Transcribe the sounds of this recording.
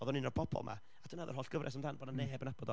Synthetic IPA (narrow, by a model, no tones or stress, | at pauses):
ɔðɔninːɔpʰɔbʰɔ̰lˠmʔa̰ | adʰunaðɔrhɔːlɬɡəvrʔɛs̬amdanboːdnaneːbənabɔdɔ